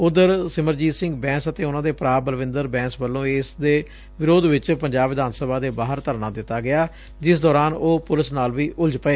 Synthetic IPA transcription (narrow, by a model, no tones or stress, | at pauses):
ʊd̪əɾsɪməɾd͡ʒiːsɪ̃ŋɡbɛ̃ːsət̪eːʊnãːd̪eːpɾaːbəlʋɪ̃nd̪əɾbɛ̃ːsʋəlːõːeːsd̪eː | ʋɪɾoːd̪ʋɪt͡ʃpəɲd͡ʒaːbʋɪd̪aːnsəbaːd̪eːbaːɦəɾt̪əɾnaːd̪ɪt̪ːaːɡɪaː | d͡ʒɪsd̪ɔːɾaːnoːpʊlɪsnaːlʋiːʔʊld͡ʒpəeː